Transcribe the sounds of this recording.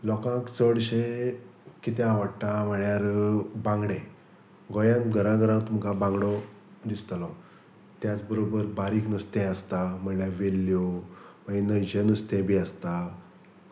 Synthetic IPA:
lɔkãkt͡səɽɕe | kit̪ẽaʋəɽʈ̪am̤əɳjaɾbãŋɡɽẽ | ɡɔjãnɡʱəɾãɡʱəɾãt̪um̤kabãŋɡɽɔ | d̪ist̪lɔ | t̪jat͡sbəɾobəɾbaɾiːknust̪ɛ̃əst̪am̤əjaʋelːjɔʋəinəd͡ʑenust̪ẽbʱiəst̪a

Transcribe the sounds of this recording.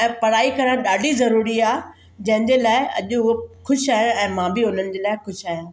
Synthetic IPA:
ɛ̃ːpɐɾaːikɐɾəɽ̃ɗaːɖʱizɐɾuːɾiaː | d͡ʑɐ̃ɦɪ̃ɲd͡ʑeːlaːɪɐ̰ʄʊɦoxʊʃaːɦeɛ̃ːmãːbɪɦoːlənɪ̆d͡ʑeːlaːɪxʊʃaːɦjãː

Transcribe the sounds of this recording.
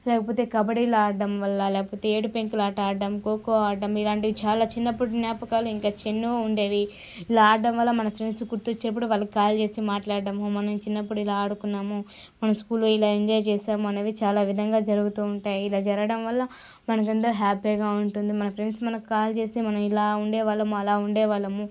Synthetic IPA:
lɛːkɐpo̞ːt̪e̞ːkɐbɐɽilaːɖɐmʋɐlːɐlɛːkɐpoːt̪e̞eːʈupeŋklaːʈaːɐmkoːkoːaːɖɐmilaːɳʈiit͡ʃaːlaːt͡ʃinːɐpːuɽunjaːpɐkaːluiŋkaːt͡ʃenːuuɳɖeːʋi | ilaaːɖɐmʋɐlːɐmɐnɐpʰɾe̞ɳɖskuɾt̪ot͡ʃːinɐp̬ːuɽuʋaːlːɐkikaːlt͡ʃe̞ːsimaːʈlaːɽɐɖɐmumɐnɐmt͡ʃinːɐpːuɽuilaːɐɽukunːaːmu | mɐnɐmskuːluilaːeɲd͡ʒɔːjt͡ʃɛːsaːmuɐnɐːʋit͡ʃaːlaːʋid̪ʱɐŋɡaːd͡ʒɐɾuɡut̪uːuɳʈaːjiilaːd͡ʒɐɾɐɽɐmʋɐlːɐ | mɐnɐk̬ɐnd̪ɐɦaːpiɡaːuɳʈund̪imɐnɐpʰɾe̞ɳɖsmɐnɐkukaːlt͡ʃe̞ːsimɐnɐmilaːuɳɖɛːʋaːlːɐmuɐlaːuɳɖɛːʋaːlːɐmu

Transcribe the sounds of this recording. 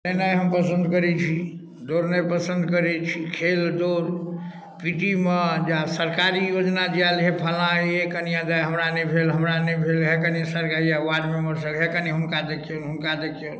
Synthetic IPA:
nənəjɦəmpəsənd̪kəɾɛt͡ʃʰi | d̪oɾnəjpəsənd̪kəɾɛt͡ʃʰikʰeld̪oɾ | piʈimed͡ʒasəɾkaɾijod͡ʒnad͡ʒalɦepʰəlãjekənijãd͡ʒ̪ajɦəmɾanəbʱʰelɦəmɾanəbʰʱelɦekənisəɾkaɾijawaɖmeməɾsəkɦekəniɦunkad̪ekʰijonɦunkad̪ekʰijol

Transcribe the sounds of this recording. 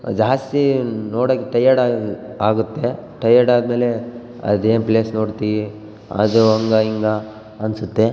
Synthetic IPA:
d͡ʒaːst̪inoːɽoːkːeʈɐjːɐɽaaːɡut̪ːeʈɐjːɐɖaːd̪me̞ːle | ɐ̰d̪eːnpleːsnoːɽt̪iʋi | a̰ːd̪uɐŋɡaiŋɡa | ɐnsut̪ːe̞

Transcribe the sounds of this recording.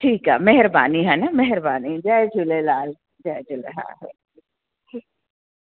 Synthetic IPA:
ʈʰiːkɦa̰ːmɛɦɪɾba̰ːniɦɛnamɛɦɪɾbaːnid͡ʒaed͡ʒʱʊlelaːl | d͡ʒaed͡ʒʊlḛɦã̰ɦḛ

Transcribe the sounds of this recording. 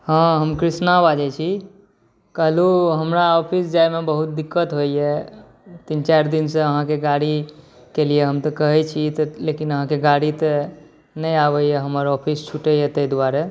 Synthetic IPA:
hãɦəmkɾisnabad͡ʒɛt͡ʃʰi | kəɦluɦəmɾaɔpʰisd͡ʒajmebəɦut̪̚d̪ikːət̪ɦojɛ | t̪int͡ʃaɾd̪inseəɦãkeɡaɽi | kelieɦəmt̪əkəɦɛt͡ʃʰit̪lekinəɦãkeɡaɽit̪ə | nəjabɛjeɦəməɾɔpʰist͡ʃʰuʈəjet̪əɦd̪waɾe

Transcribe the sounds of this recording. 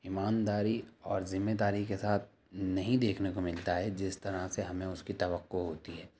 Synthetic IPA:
ɪmaːnd̪aːɾiɔːɾzɪmːed̪aːɾikesaːt̪̚ʰ | nɐɦĩd̪eːkʰnekomɪlt̪aɦɛd͡ʒɪst̪ɐɾaseɦɐmẽʊskit̪ɐʋəqːoɦɦoːt̪iɦɛː

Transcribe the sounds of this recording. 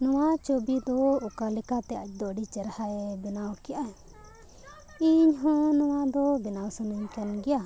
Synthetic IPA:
nɔwat͡ʃobid̪ɔukalɛkat̪ɛac̚d̪ɔɖit͡ʃɛɾhaʔɛbɛnawkɛja | iɲɦɔ̃nɔw̃ad̪ɔbɛnawsənəɲkanɡɛja

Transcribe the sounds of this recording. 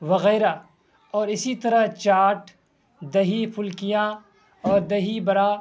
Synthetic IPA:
ʋɐɣɛːɾa | ɔːɾɪsit̪ɐɾɐt͡ʃaːʈ | d̪ɐɦipʰʊlkijã | ɔːɾd̪ɐɦibɐɾaː

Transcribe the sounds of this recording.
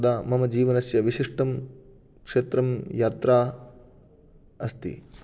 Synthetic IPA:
d̪aːmɐmɐd͡ʒiːʋɐnɐsjɐʋiʃiʂʈɐm | kʂeːt̪ɾɐmjaːt̪ɾaː | ɐst̪ḭ

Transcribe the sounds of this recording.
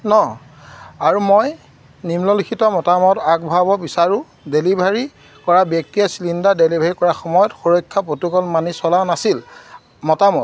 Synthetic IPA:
nɔ | aɹumoj | nimlɔlikʰitɔmɔtamɔtaɡ̚bʱabɔbisaɹʊ̃ | delibʱaɹi | kɔɹabjɔk̚tiasilindadelibʱaɹikɔɹaxɔmɔjɔtxuɹɔjkʰːapotukɔlmanisɔlanasil | mɔtamɔt̚

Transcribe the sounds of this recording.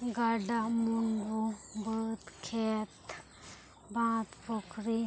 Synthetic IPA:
ɡaɖamunɾubət̪kʰet̪ | bãːt̪pɔkɾi

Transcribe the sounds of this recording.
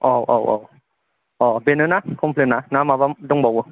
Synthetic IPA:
ʔɔwʔɔ̰wʔɔ̰w | ʔɔbenɯnakʰompʰlenanamabamdɔŋbɔwu

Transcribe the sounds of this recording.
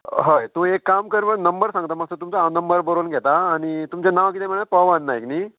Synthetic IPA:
ɦəjt̪ũekːamkəɾʋənəmbəɾsãŋɡt̪aməɡsət̪umt͡sanəmbəɾbəɾonɡʱɛt̪aːɽ̃it̪umt͡ɕjanaʋkit̪em̤iɭɳapaʋənːaekniː

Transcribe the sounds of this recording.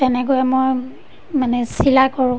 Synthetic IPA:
tɛnɛkojɛmoj | manɛsilakɔɹʊ̃

